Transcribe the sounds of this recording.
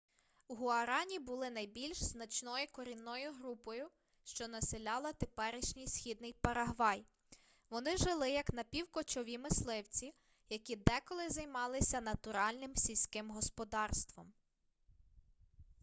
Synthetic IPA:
uɦʊɐɾɑnʲibʊlˠɪnɐjbʲilʲʃznɐt͡ʃnɔjʊkɔɾʲinːɔjʊɦɾupɔjʊ | ʃt͡ʃɔnɐsɪlʲɑlˠɐt̪epɛɾɪʃnʲijsxʲid̪̚nɪjpɐɾɐɦʋɑj | ʋɔnɪʒɪlˠɪjɐknɐpʲiwkɔt͡ʃɔʋʲimɪslˠɪwt͡sʲi | jɐkʲid̪ɛkɔlˠɪzɐjmɑlˠɪsʲɐnɐt̪ʊɾɑlʲnɪmsʲilʲsʲkɪmɦɔspɔd̪ɑrst̪ʋɔm

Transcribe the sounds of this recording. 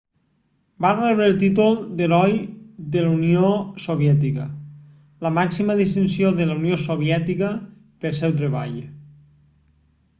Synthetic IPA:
barɛβɾelˠt̪it̪ulˠd̪elɔjd̪eluniosoβ̞jɛt̪̬ikə̰ | ləmaksiməðist̪insioðelauniosoβjɛt̪ikə | pelˠsɛwt̪ɾeβa̰ʎ

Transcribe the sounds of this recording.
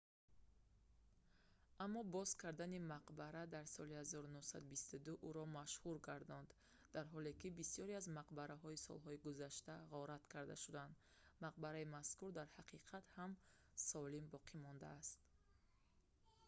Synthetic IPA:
ʔamːɔbɔzkʰaɾd̪animaqbaɾad̪aɾsɔlihazɔɾunuhsa̰d̪ubist̪ud̪uʔuɾɔmaʃhuɾɡaɾd̪ɔnd̪ | d̪aɾɦɔle̞kibisiɔɾiazmaqbaɾaɦɔisɔ̰lɦɔiɡuzaʃt̪aʁɔɾat̪kʰaɾd̪a̰ʃud̪and̪ | maq̚baɾaimaskuɾd̪aɾhaqʰiqʰat̪ham | sɔlimbɔqʰimɔnd̪aːst̪

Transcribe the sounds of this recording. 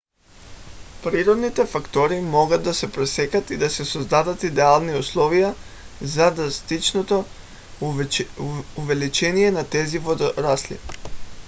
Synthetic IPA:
pɾiɾod̪nit̪efakt̪oɾimoɡad̪asepɾesekat̪id̪asesozd̪ad̪at̪id̪ealˠniuslˠoʋija | zad̪ɾast̪it͡ʃnot̪o | uʋelit͡ʃenijenat̪eziʋod̪ɾaslḭ

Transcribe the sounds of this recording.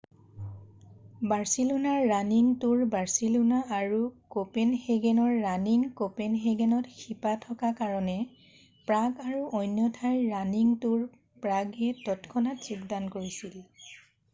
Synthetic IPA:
baɹsilunaɹːaniŋtuɹbaɹsilunaaɹukopenxeɡɛnɔɹːaniŋkopenɦeɡɛnɔtxipatʰɔkakaɹɔnɛ | pɹaɡaɹuʔojnjɔtʰaɹːaniŋtuɹ | pɹaɡɛtɔtkʰɔnatsikdankoɹisil

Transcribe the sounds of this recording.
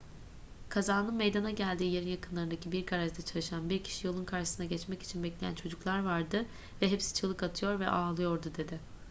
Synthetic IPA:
kʰazaːnɯnmejd̪anaɟælʲd̪iːje̞ɾinjakʰɯnlˠaɾɯnd̪acʰibiɾkʰaɾaʒd̪at͡ʃʰalˠɯʃanbiɾcʰi̥ʃijo̞lˠunkʰaɾʃɯsɯnaɟɛt͡ʃmɛci̥t͡ʃʰinbɛclʲe̞jæ̰nt͡ʃʰo̞d͡ʒuklˠaɾvaɾd̪ɯ | vɛɦɛpsi̥t͡ʃʰɯlˠɯkat̪ʰɯjo̞ɾvɛ̰ʔaːlˠɯjo̞ɾd̪ud̪e̞d̪ɪ

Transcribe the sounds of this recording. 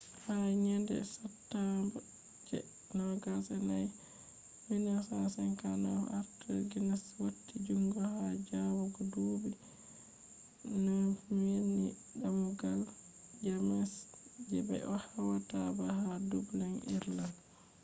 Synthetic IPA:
haɲɛndɛ̰satːamba | d͡ʒɛ̰ | nɔɡasɛnaj | minasansɛnkana̰ʔaɾtoɡinaswotːid͡ʒuŋɡɔhad͡ʒawɔɡɔduːbi | nɔmeni | ɗamuɡald͡ʒamɛsd͡ʒɛbɛ̰ʔɔhawatabahadublanʔiɾlan

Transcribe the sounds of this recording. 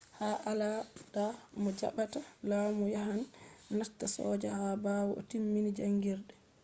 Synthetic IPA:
haʔaladamɔd͡ʒa̰ɓatalaːmujaɦannatːasɔ̰ːd͡ʒahabawɔʔɔ̰timːinid͡ʒaŋɡiɾɗɛ

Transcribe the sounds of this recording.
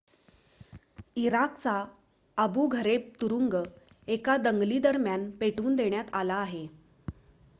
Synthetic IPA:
iɾakt͡sa | əbuɡʱəɾeb̚t̪uɾuŋɡ | ekad̪əŋɡliːd̪əɾmjanpeʈuːnd̪eɳjat̪alaːɦe

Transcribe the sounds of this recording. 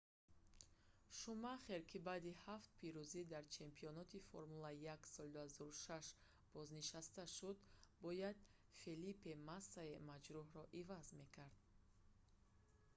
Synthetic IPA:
ʃumaχeɾkʰibaːd̪ihaft̪̚pʰiɾuzid̪aɾt͡ʃʰe̞mpʰiɔnɔt̪ʰifo̰ɾmulaijaksɔlid̪uhazɔɾuʃaʃ | b̥ɔzniʃast̪aʃud̪bɔjad̪̚ | felipemasːaemad͡ʒɾuɦɾɔʔivazme̞kʰaɾd̪̥

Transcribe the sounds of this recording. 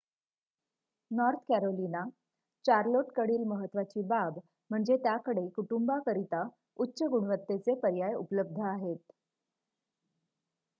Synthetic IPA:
nɔɾt̪ʰkæɾolina | t͡ɕaɾloʈkəɽiːlməɦət̪ːʋat͡ɕiːbab | m̤əɳd͡zet̪jakəɽekuʈumbakəɾit̪a | utːɕəɡuɳʋət̪ːet͡sepəɾjajṵpələb̚d̪ʱəaɦet̪

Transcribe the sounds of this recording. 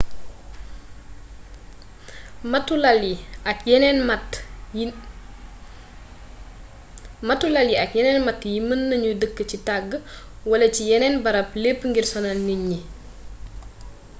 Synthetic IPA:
mtːulɐljiɐkjɛnɛnmt | mɐtːulɐljiɐkjɛnɛːnmɐtːjimənːɐɲudəkːət͡ʃitaɡːə | wɐlɐcijɛnɛnbɐɾɐplepːəŋɡirsɔnalniɲːi

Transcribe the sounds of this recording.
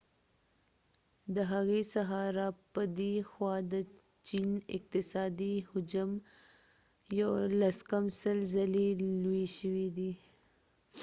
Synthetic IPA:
d̪əɦaɣesaɦɑɾapəd̪exwɑd̪ə | t͡ʃinɪ̰q̚t̪ɪsɑd̪ihʊd͡ʒam | jalaskamsəlzalelueʃəwid̪i

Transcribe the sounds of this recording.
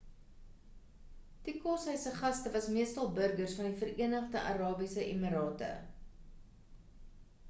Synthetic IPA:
tikosɛjsəχɐstəvɐsmiəstɐlˠbərɡərsfɐndifəɾiənəχdəʔɐɾɑːbisəʔimiɾɑːtə̰

